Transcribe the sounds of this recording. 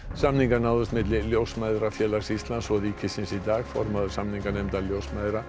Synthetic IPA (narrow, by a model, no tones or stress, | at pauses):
samniŋkanawðʏst̪mɪðlɪljowsmajðɾafjɛːlasist̪lansɔɾiːcʰɪsɪnsid̪aːɣfɔɾmaðʏɾ̥samniŋkanɛmt̪aljowsmajðɾa